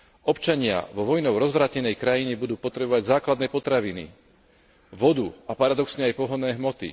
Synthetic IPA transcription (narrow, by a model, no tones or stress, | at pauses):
ʔɔpt͡ʃaɲɪa̰ʋɔʋɔjnɔʊɾɔzʋɾaːcɛnɛjkɾajiɲɛbud̪uːpɔt̪ɾɛbɔʋaɟzaːklad̪nɛːpɔt̪ɾaʋinḭ | ʋɔd̪uapaɾad̪ɔksɲɛajpɔɦɔnɛːɦmɔt̪ḭ